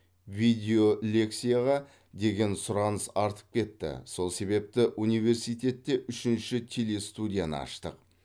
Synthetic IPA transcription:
vijd̪ʲe̞o̞lʲe̞ksijaʁɑ | d̪e̞ɡʲe̞nsʊɾɑnəsɑɾt̪ə̥p̚kʲʰe̞t̪ːɪ̰so̞lˠse̞be̞p̚t̪ɪʔunijve̞ɾsijt̪e̞t̪ːe̞ʔʏʃɪnʃɪt̪ʲʰe̞le̞st̪ud̪ʲijanə̰ɑ̰ʃt̪ə̰q̚

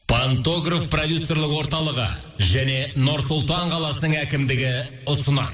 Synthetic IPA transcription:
pʰant̪o̞ɡrafprod̪ʲjusːo̞ɾrlˠɪkwo̞ɾt̪ɑlˠəʁə̰ | ʒæne̞noɾsʊlˠt̪ɑɴqʰɑlˠɑsənəɴækʲɪmd̪ɪɡʲɪ | ʊsənɑ̰

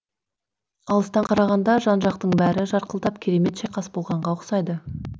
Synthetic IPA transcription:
ɑlˠəst̪ɑɴqʰɑɾɑʁɑnd̪ɑʒɑnʒɑqt̪əɴbæɾɪʒɑɾqəlˠd̪ɑpkʲʰe̞ɾe̞me̞t̪ʃeqʰɑsbo̞lˠʁɑɴʁɑʊqsɑjd̪ə

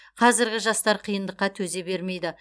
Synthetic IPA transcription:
qʰɑzɪɾɡʲɪʒɑst̪ɑɾqʰijənd̪əqːɑt̪ʰɵze̞be̞ɾme̞jd̪ɪ

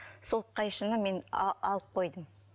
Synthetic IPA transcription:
solˠt̪̚qɑjʃənəme̞nɑlˠəp̚qʰo̞jd̪əm

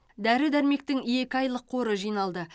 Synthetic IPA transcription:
d̪æɾɪd̪æɾme̞k̚t̪ɪŋje̞kʲɪɑjlˠəqʰːo̞ɾəʒijnɑlˠd̪ə

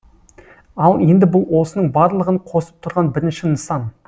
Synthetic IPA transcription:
ɑlˠe̞nd̪ɪbʊlˠwo̞sənəɴbɑɾlˠəʁəɴqʰo̞sə̥p̚t̪ʰʊɾʁɑnbɪɾɪnʃɪnəsɑn

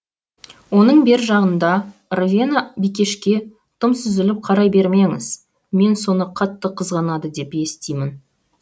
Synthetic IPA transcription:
wo̞nəɴbe̞ɾʒɑʁənd̪ɑrvʲenabijkʲe̞ʃkʲe̞ | t̪ʰəmsʏzɪlɪp̚qʰɑɾɑjbe̞ɾme̞ŋɪ̰z̥ | me̞nso̞nəqʰɑt̪ːəqʰəzʁɑnɑd̪əd̪e̞pe̞st̪ejmɪn

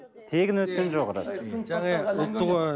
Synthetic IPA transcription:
t̪ʰe̞ɡʲɪnwɵt̪̚kʲenʒoʁɑɾə̰sŋɑʊlˠt̪ːəʁ

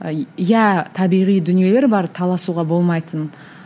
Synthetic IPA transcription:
jæt̪ʰɑbijʁijd̪ʏnie̞le̞ɾbɑɾt̪ʰɑlˠɑsuʁɑbo̞lˠmɑjt̪ən

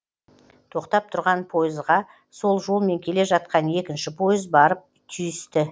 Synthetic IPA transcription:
t̪ʰo̞qt̪ɑp̚t̪ʰʊɾʁɑnpʰo̞jɪzʁɑ | so̞lˠʒo̞lˠme̞ŋkʲʰe̞le̞ʒɑt̪̚qɑne̞kʲɪnʃɪpʰo̞jɪzbɑɾəp̚ | t̪ʰʏjɪst̪ɪ

